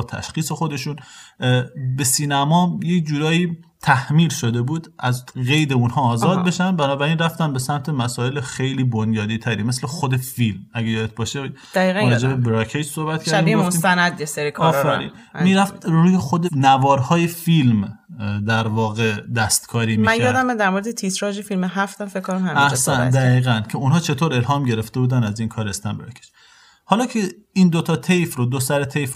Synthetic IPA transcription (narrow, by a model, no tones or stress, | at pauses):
t̪ʰæ̰ʃxiːse̞xo̞d̪e̞ʃun | be̞siːnæmɒːmjecd͡ʒuːɾɒːjiː | t̪ʰæhmiːlʃo̞d̪e̞buːd̪ʔæzɣe̞jd̪e̞unhɒːzɒːd̪̚be̞ʃænbænɒːbæɾiːnræft̪ænbesæmt̪ʰe̞mæsɒːe̞lexe̞jliːbonjɒːd̪iːt̪ʰæɾḭme̞slexod̪e̞filmæɡæjɒːd̪et̪̚bɒːʃed̪̥æiːɣæɒd͡ʒebebɾɒkʰed͡ʒsohbæt̪̚kɾiiɡomiːmt̪ænæd̪jeseɾikʰɒːfæɾḭːn | mmiːɾæft̪ɾuːjexod̪enævɒːɾhɒːje̞filmd̪æɾvɒːɣe̞d̪æst̪kʰɒːɾiːmmimænjjɒːd̪æmd̪æɾmoɾed̪et̪ʰisɾɒʒefilmeɦæft̪æmfekʰkːoɾæmhæmæhsæd̪æɣiːɣæncʰe̞unɦɒːt͡ʃʰe̞t̪ʰoːɾe̞lhɒːmɟe̞ɾeft̪e̞buːd̪ænæzinkʰɒːɾest̪æmbɾɒkcʰed͡ʒ̥ | hɒːlɒːcʰe | ind̪ot̪ʰɒːt̪ʰejfɾod̪osæɾet̪ʰejf